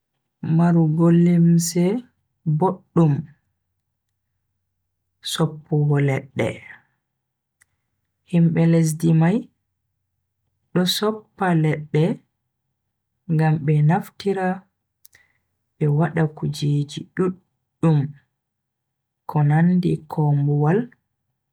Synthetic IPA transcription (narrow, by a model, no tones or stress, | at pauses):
maɾuɡolːemsɛ | boɗːum | sɔpːɔwɔlɛɗːɛ̰ | himɓɛles̬dimaj | ɗɔsɔpːalɛɗːɛ | ŋɡamɓɛnaftiɾa | ɓɛwaɗakud͡ʒeːd͡ʒiɗuɗː | um | kʰɔnandikʰɔmbuwal